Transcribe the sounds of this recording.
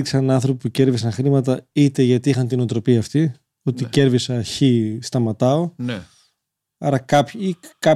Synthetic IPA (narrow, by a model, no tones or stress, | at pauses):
ksɐnɐnθɾo̞pipuce̞ɾvisɐnxɾimɐt̪ɐit̪e̞ʝɐt̪iixɐnt̪inot̪ɾo̞piɐːft̪i | ot̪ice̞ɾvisɐçist̪ɐmɐt̪ɐo̞ | ɐ̰ɾɐkɐpikɐ